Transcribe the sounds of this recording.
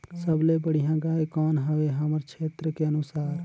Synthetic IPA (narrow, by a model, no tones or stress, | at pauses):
səblebəɽijãɡajkɔːnɦəʋeɦəməɾkʰeːt̪ɾəkeənusaːɾ